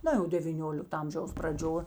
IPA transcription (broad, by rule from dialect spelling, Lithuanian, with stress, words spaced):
ˈnɐ jɛʊ dʲɛʋʲiːˈnʲoːlʲɪktɐ ˈɐmʲʒʲɛʊs prɐˈd͡ʒʲoː